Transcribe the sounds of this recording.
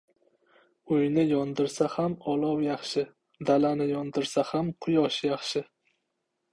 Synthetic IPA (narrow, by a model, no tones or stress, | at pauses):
ʊjnɪjɒnd̪ɪɾsahamɒlˠɒwjɑχʃɪ | d̪alanɪjɒnd̪ɪɾsahamqʰʊjɒʃjɑχʃɪ